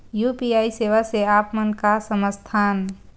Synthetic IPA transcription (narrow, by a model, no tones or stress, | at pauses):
juːpiaːiseːʋaseaːpmənkasəməst̪ʰaːn